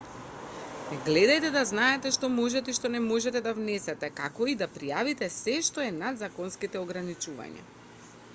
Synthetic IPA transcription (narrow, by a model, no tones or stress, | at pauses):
ɛɡlɛd̪ajt̪ɛd̪aznaɛt̪ɛʃt̪ɔmɔʒɛt̪ɛiʃt̪ɔnɛmɔʒɛt̪ɛd̪avnɛsɛt̪ɛkakɔid̪apɾijavit̪ɛsɛʃt̪ɔɛnad̪zakɔnskit̪ɛɔɡɾanit͡ʃuva̰ɲa̰